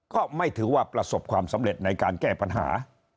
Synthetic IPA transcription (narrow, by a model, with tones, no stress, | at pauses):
kɔː˥˩ma˥˩jt̪ʰɯː˩˦waː˥˩pɾa˧so˨˩p̚kʰwaː˧msa˩˦mɾe˨˩t̪̚na˧jkaː˧nkɛː˥˩pa˧nɦa̰ː˩˦